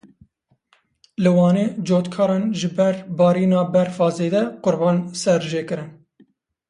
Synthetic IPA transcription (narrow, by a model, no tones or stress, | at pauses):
lɨwɑːneːd͡ʒoːt̪kʰɑːɾɑːnʒɨbɛɾbɑːɾiːnɑːbɛɾfɑːzeːd̪ɛqʊɾbɑːnsɛɾʒeːkɨɾɨn